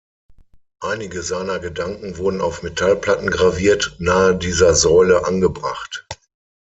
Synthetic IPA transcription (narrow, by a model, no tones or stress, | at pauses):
ʔaɪnɪɡəzaɪnɐɡədaŋkŋ̩vʊɐdn̩aʊfmetʰalpl̥atn̩ɡʁaviːɐtnaːədiːzɐzɔʏləʔanɡəbʁa̰χt